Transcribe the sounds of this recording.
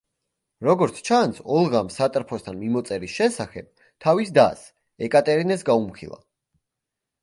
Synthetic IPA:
ɾɔɡɔɾt̪sʰt͡ʃʰansɔlˠʁamsat̪ʼɾpʰɔst̪ʰanmimɔt̪sʼɛɾisʃɛsaχɛ̰b̥̚ | t̪ʰavisd̪a̰s | ɛkʼat̪ʼɛɾinɛsɡaumχʰḭlˠa̰

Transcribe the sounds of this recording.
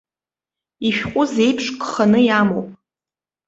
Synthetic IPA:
iʃᶣqʷʼʊze̞jpʰʂkʰʼχanɨjamowpʼ

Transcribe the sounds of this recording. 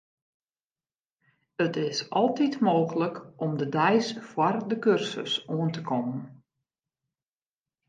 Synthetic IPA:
ətɪsʔɔlˠtitmoːxələkʔɔmdədɛjsfwɔrdəkørsə̰suəntəkʰɔmən

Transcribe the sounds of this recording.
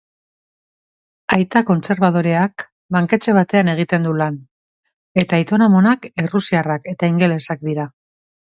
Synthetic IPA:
ajt̪ako̞nt͡se̞ɾβað̞o̞ɾe̞ak | baŋke̞t͡ʃe̞β̞at̪e̞ane̞ɣ̞it̪e̞nd̪ulan | e̞t̪ait̪o̞nomo̞nakerusiarake̞t̪aiŋɡe̞le̞sak̚d̪iɾa

